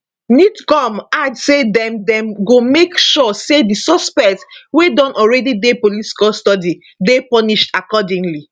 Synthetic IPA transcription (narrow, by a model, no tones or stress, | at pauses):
nitɡɔ̃madsedɛ̃mdɛ̃mɡomekʃɔsedisɔspɛktswedɔ̃nʔɔɹɛdidepoliti̥kɔlstɔdi | depɔniʃtakɔdĩŋli